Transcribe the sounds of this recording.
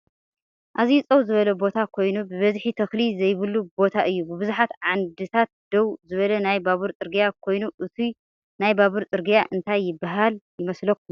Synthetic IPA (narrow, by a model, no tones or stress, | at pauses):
ʔazit͡sʼɐwzɨβɐlɐbo̞t̪ʰakʰo̞jnubɨβɐzħit̪ʰɐxlizɐjβɨlubo̞t̪ʰaʔɨjːubɨβɨzuħat̪ʕand̪ɨt̪ʰat̪̚d̪̥owzɨβɐlɐnajbaβɨɾt͡sʼɨɾɡijakʰo̞jnuʔɨt̪ʰi | najbaβɨɾt͡s̪ʼɨɾɡijaʔɨnt̪ʰajːɪbːaɦaljɪmɐslɐkːu